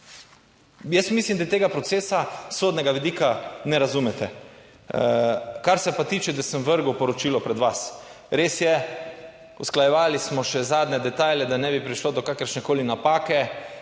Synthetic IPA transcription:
jɛst̪mislimd̪ajɛt̪eːɡapɾɔt̪seːsasoːd̪nɛɡaʋid̪ikanɛɾazumɛt̪ɛ | kaɾsɛpat̪iːt͡ʃɛd̪asəmʋəɾɡwpɔɾɔt͡ʃiːlɔpɾɛd̪ʋas | ɾeːsjɛ | usklajɛʋaːlismɔʃɛzaːd̪nɛd̪ɛt̪ajlʲjɛd̪anɛbipɾiʃlod̪ɔkakəɾʃnɛkoːlinapaːkɛ

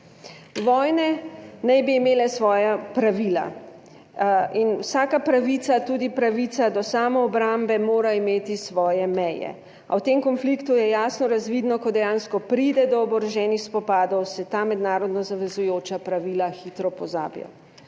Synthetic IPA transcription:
ʋɔjnɛnɛjbiːmeːlɛsʋɔːjapɾaʋila̰ | inwsaːkapɾaʋit̪sat̪uːd̪ipɾaʋit̪sad̪ɔsaːmɔːbɾambɛmoːɾaimeːt̪isʋɔːjɛmɛjɛ̰ | a̰wt̪emkɔnflikt̪ujɛjaːsnɔɾazʋiːd̪nɔkɔd̪ɛjanskɔpɾiːd̪ɛd̪ɔːbɔɾɛʒɛnixspɔpaːd̪ɔwsɛt̪aːmɛd̪naːɾɔd̪nɔzaʋɛzujoːt͡ʃapɾaʋiːlaxiːt̪ɾɔpɔza̰ːbja̰

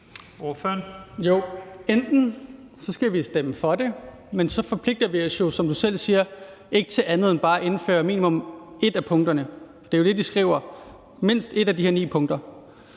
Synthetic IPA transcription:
oføɐnjo̝end̥n̩ | sɒ̽sɡ̥æʋisd̥eməfɒ̽de̝ | mensɒ̽fɒ̽pʰle̝ɡ̥̚d̥ɐʋiɒsjo̝sɒ̽md̥usel̰siːɐ | e̝ɡ̥ət͡sʰe̝lʔænð̞̩ˠenb̥ɑ̈ːæʔe̝n̩fø̰ːɐmḭːnimɔ̽me̝d̥æpʰɔ̽ŋd̥ɐnə | d̥e̝jo̝d̥e̝d̥isɡ̥ʁḭːʊ̰ɐ | me̝n̰sd̥e̝ɾæd̥ihɛɐnḭːpʰɔ̽ŋd̥ɐ

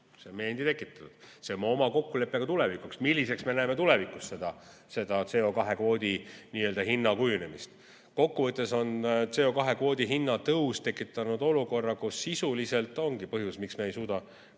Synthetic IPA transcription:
seme̞ːnd̪it̪e̞kːˑit̪ːˑɑ̥t̪ːud̥̪se̞onmo̞mɑko̞kːule̞pːˑeɡ̥ɑt̪ule̞vikuksmilːise̞ksme̞næemet̪ule̞vikːˑusse̞d̪̥ɑ | se̞d̪̥ɑt̪se̞ːo̞kɑɦe̞kvo̞ːd̪̥ʲiniːø̞ld̪ɑɦinːɑkujune̞mist̪ | ko̞kːuvɤt̪ːˑe̞so̞nt̪se̞o̞kɑɦe̞kvo̞ːd̪̥ʲiɦinːɑt̪ɤust̪e̞kːˑit̪ːˑɑnud̪̥o̞luko̞rːɑkusːisulise̞lt̪ˑo̞ŋɡipɤɦjusmiksmeejsuːd̪̥ɑ

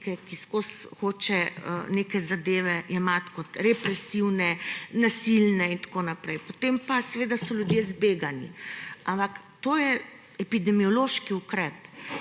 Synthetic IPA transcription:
kɛkiskosxoːt͡ʃɛ̰nekɛzad̪eːʋɛʔimat̪kot̪ɾɛpɾɛsiwnɛnasilnɛint̪ḁkonapɾɛjpot̪empasɛʋeːd̪asɔlʲjud̪jezbeɡanḭampak | t̪oːjɛ | ɛpid̪ɛmiɔloʃkiukɾɛːp

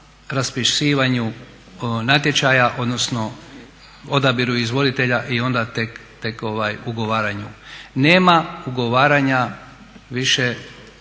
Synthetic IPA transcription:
ɾaspiʃiːʋaɲu | nat̪̬je̞t͡ʃajaʔo̞d̪no̞sno̞ | o̞d̪abiɾuizʋo̞d̪it̪eʎaʔio̞nd̪at̪e̞kt̪e̞ko̞ʋajuɡo̞ʋaːɾaɲuneːmauɡo̞ʋaːɾaɲa | ʋiʃe

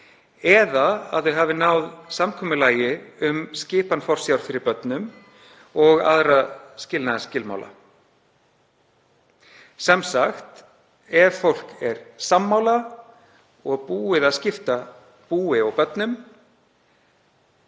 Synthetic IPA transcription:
ɛðaaðθʏɦaːvɪnawðsamkʰɔːmʏlaːjɪʏmscɪːpanfɔr̥sjawɾ̥fɪɾɪɾpœt̪nʏm | ɔɣa̰ðɾascɪlnaðascɪlma̰ːwla̰ | sɛmsaxt̪ | ɛɾfowl̥kɛɾsamːaːwla | ɔɣpuːɪðaðscɪft̪a | puːɪɔɣpœt̪nʏm

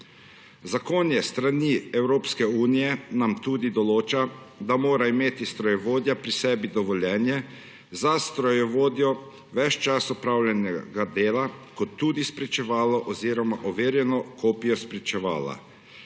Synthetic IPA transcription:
zakoːnjɛst̪ɾaniɛwɾoːpskɛuːnijɛnamt̪uːd̪id̪ɔloːt͡ʃa | d̪amoːɾaimeːt̪ist̪ɾɔjɛʋoːd̪japɾisɛːbid̪ɔʋɔljɛːnjɛ | zast̪ɾɔjɛʋoːd̪jɔ | ʋɛt͡ʃt͡ʃasɔpɾawlʲjɛnɛɡad̪eːlakɔt̪ːuːd̪ispɾɛt͡ʃɛʋaːlɔʔɔziːɾɔmaʔɔʋeːɾjɛnɔkʰoːpijɔspɾɛt͡ʃɛʋaːla̰

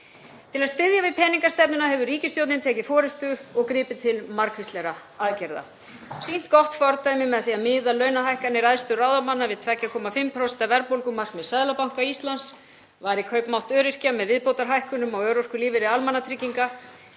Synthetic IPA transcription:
t̪ʰɪlaðst̪ɪðjavɪðpʰɛːniŋkast̪ɛp̚nʏnaɦɛvʏɾiːcɪst̪jowt̪nɪnt̪ʰɛːcɪfɔːɾɪst̪ʏɔɣkɾɪːpɪt̪ʰɪlmaɾkʰvɪst̪lɛɾa | aðcɛɾða̰ | sin̥t̪kɔht̪fɔɾt̪ajmɪmɛðθiaðmɪːðalœɥnaɦajhkanːɪɾaðst̪ʏraːwðamanːavɪðt̪ʰvɛcːakʰɔːmafɪmpʰɾɔst̪avɛɾpowlkʏmar̥kmɛðsɛðlapawŋ̥kaist̪lans | vaːɾikʰœɥpmawht̪œːɾɪr̥camɛðvɪðpowt̪aɾ̥ɦajhkʏnʏmawœɾor̥kʏliːvɪɾɪalmanat̪ʰɾɪcːiŋka

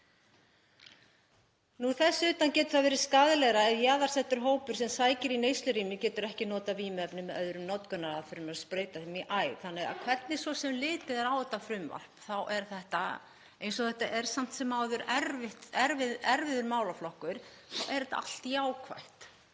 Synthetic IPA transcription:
nuθɛsːʏːt̪ancɛːt̪ʏ̥ɾ̥θaðvɛːɾɪ̥skaːðlɛɣɾaɛðjaːðaɾ̥sɛht̪ʏɾ̥ɦoːwpʏɾ̥sɛmsaːjcɪɾinejst̪lʏɾiːmɪcɛːt̪ʏɾɛhcɪnɔːt̪aviːmɛpnʏmːɛðœðɾʏmnɔt̪kʏnaɾaðfɪɾɪmaɾspɾeːjt̪aθɪmiʔaːjθanːɪɣa̰ðkʰvɛɾt̪nɪsvɔsɛmlɪːðɛðaɾaːwɛt̪afɾʏmva̰l̥pθawʔɛɾ̥θɛht̪a | ejnsɔθɛht̪aʔɛɾ̥sam̥t̪sɛmːawðʏɾɛɾvɪht̪ɛɾvɪðɛɾvɪðʏɾmaːwlaflɔhkʏɾ̥ | θawʔɛɾɛt̪a̰a̰l̥t̪jaːwkʰva̰jht̪

